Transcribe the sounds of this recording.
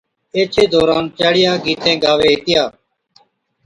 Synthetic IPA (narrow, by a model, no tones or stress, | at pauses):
eːt͡ʃʰeːd̪ɔːɾaːnt͡ʃaːɽɪjaːɡiːt̪ʰẽːɡaːʋeːɦeːt̪ɪjaː